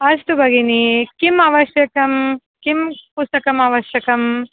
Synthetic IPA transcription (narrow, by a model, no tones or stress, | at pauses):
ɐst̪ubʱɐɡinikimaːʋɐʃjɐkɐm | kimpust̪ɐkɐmaːʋɐʃjɐkɐm